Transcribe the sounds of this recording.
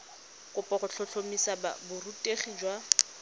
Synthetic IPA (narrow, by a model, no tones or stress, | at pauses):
kʼʊpʼɔχʊɬʰɔɬʰomisaba̰bʊrutʼeχid͡ʒwa